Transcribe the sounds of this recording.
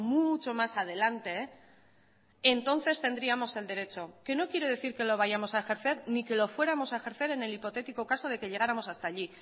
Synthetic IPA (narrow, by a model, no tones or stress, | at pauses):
mut͡ʃo̞masað̞e̞lant̪e̞ | nt̪o̞nθe̞st̪e̞nd̪ɾiamo̞se̞ld̪e̞ɾe̞t͡ʃo̞ke̞no̞kje̞ɾo̞ð̞e̞θiɾke̞lo̞β̞aʝamo̞saexe̞ɾθe̞ɾnike̞lo̞fwe̞ɾamo̞saexe̞ɾθe̞ɾe̞ne̞lipo̞t̪e̞t̪iko̞kaso̞ðe̞ke̞ʎe̞ɣ̞aɾamo̞sast̪aːʎi